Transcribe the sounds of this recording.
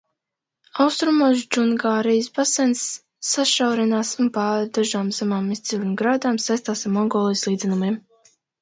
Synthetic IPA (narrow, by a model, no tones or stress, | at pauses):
awst̪ɾumos̬d͡ʒuŋɡaːɾijsbasɛnsː | aʃawɾɛnaːsunpaːɾd̪aʒaːmzamaːmist̪silʲinɡɾaːd̪aːmsajst̪aːsaɾmɔŋɡɔːlˠijslˠiːd̪zɛnumiɛm